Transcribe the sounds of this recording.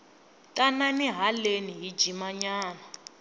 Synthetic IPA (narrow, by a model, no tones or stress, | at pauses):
tʼananiɦaleniɦi̥d͡ʒimaɲaːna